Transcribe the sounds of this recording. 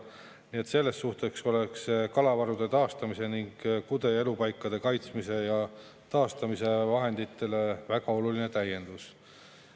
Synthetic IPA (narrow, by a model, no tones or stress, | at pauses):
nie̞t̪se̞lːe̞st̪ːuht̪e̞kso̞le̞kskɑlɑvɑɾud̪̥e̞t̪ɑːst̪ɑmise̞niŋɡ̥kud̪e̞e̞lupɑjkːˑɑd̪̥e̞kɑjt̪smise̞jɑ | t̪ɑːst̪ɑmise̞vɑɦe̞nd̪it̪ːˑe̞le̞væɡɑo̞luline̞t̪æje̞nd̪̥us